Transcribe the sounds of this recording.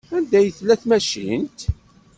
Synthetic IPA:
ænd̪æjəθlːæθmæʃḭnt̪

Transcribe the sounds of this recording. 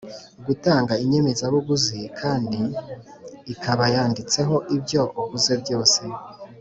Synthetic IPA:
ɡutaːŋɡaiɲe̞mezaβuɡuzikʰaːndiː | kʰaβajaːndit͡se̞ɦo̞ʔibjo̞ʔoβuze̞bjo̞ːse̞

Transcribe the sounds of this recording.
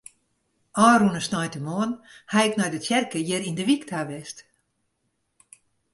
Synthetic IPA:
ɔːrunəsnɔjtəmoənhajɪknɔjdətjɛrkəjɪɾindəʋiktʰaʋɛst

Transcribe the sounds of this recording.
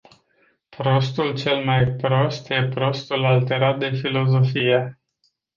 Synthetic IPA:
pɾo̞st̪ult͡ʃe̞lmajpɾo̞st̪je̞pɾo̞st̪ulalt̪e̞ɾat̪̚d̪e̞filo̞zo̞fije̞

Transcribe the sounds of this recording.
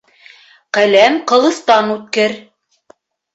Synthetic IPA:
qælæmqɤ̆lˠɤ̆θt̪ɑnut̪̚kɘɾ

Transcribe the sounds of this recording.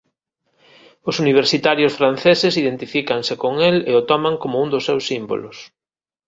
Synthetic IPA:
ʊsuniβ̞eɾsit̪aɾjʊsfɾan̟θesɪsiðent̪ifikaŋsɪkoŋeleot̪ɔmaŋkomʊuŋd̪ʊsːewsːimbo̰lʊs

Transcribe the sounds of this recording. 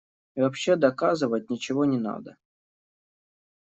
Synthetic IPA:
ivɐpɕːe̞d̪ɐkazɨvət̚ʲnʲɪt͡ɕɪvonʲɪna̰d̪ə

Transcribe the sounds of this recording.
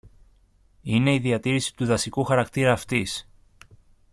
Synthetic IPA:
ine̞iðiɐt̪iɾisi̥t̪uðɐsikuxɐɾɐkt̪iɾɐːft̪is

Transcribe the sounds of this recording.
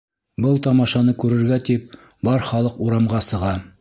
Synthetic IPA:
bɤlˠt̪ɑmɑʃɑnɤkʉɾɘ̆ɾɡæt̪ip̚ | bɑɾχɑlˠɤquɾɑmʁɑsɤ̆ʁɑ

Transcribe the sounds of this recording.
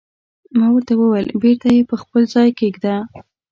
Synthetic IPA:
mɑwəɾt̪awəwəlbeɾt̪ajepəxpəlzɑjkeɡd̪a

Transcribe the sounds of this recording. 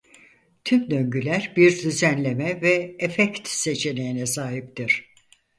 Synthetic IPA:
t̪ʰymd̪øɲɟylʲæɾbiɾd̪yzænlʲe̞mɛvɛːfɛct̪se̞t͡ʃʰe̞nejinɛsaːɦip̚t̪iɾ̝̥

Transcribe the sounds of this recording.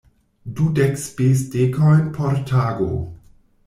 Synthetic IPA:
dudɛkspesdekʰɔjnpʰɔɾtʰaːɡo̰

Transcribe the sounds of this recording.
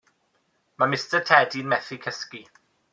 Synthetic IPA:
mamɪstətʰɛdinmɛθikʰɛski

